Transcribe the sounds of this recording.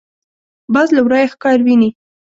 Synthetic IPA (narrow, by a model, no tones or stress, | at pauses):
bɑzlawɾɑjaxkɑɾwini